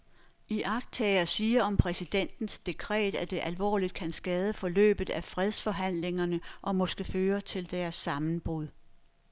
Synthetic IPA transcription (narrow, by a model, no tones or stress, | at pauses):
iʔɑ̈ɡ̥̚d̥̚t͡sʰɛːɪɐsiːɐɒ̽mpʰʁɛsid̥en̰d̥n̩sd̥e̝kʰʁɛ̰ːd̥æd̥e̝ʔælʋɒ̰ːlid̥̚kʰænsɡ̥ɛːð̞ˠəfɒ̽lø̰ːb̥ð̩ˠæfʁɛð̞ˠsfɒ̽ɦæn̰le̝ŋɐnəʔɒ̽mɒ̽sɡ̥əføːɐt͡sʰe̝ld̥æɐsːɑ̈mn̩b̥ʁuð̞ˠ